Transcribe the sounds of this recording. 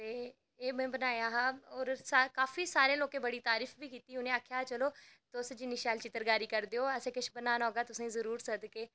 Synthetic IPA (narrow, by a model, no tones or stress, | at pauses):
t̪eː | eːɓẽːbənaːjaːɦaoːɾsakaːfisaːɾẽloːkẽbɐɽiːt̪aːɾiːfbʱiːkiːt̪iːʊnẽaːkʰjat͡ʃɐloːt̪osd͡ʒiːnɪʃaːlt͡ʃɪt̪əɾɡaːɾiːkɐɾd̪eoːɐsẽːkɪʃʰbənaːnaɦoːɡaːt̪ʊsãĩzɐɾuːɾsɐd̪keː